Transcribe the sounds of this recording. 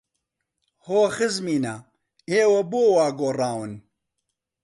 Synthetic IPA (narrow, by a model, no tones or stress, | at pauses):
hoːxɨzmiːnɐ | eːwɐboːwaːɡoːraːwɨn